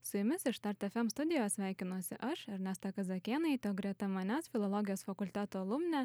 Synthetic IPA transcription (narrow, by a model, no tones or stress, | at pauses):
sʊjʊmʲɪsɪʃt̪ɐɾt̪ʲɛfʲɛmst̪ʊd̪ʲɪjoːjɛsʲʋʲæˑɪkʲɪnuɔsʲɪʔɐʃɐɾʲnʲæst̪ɐkɐzɐkʲiɛnɐɪt̪ʲoːɡɾʲiɛt̪ɐmɐnʲæːsfʲɪlˠɔlˠɔɡʲɪjoːsfɐkʊlʲt̪ʲæːt̪oːlˠʊmʲnʲæ